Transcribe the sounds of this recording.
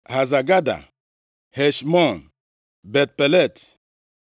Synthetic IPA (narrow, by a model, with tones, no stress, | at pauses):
ha˨za˨ɡa˦da̰˨ | hɛ˨ʃmɔ˦˨n | bɛ˨t̚pɛ˨lɛ˦˨t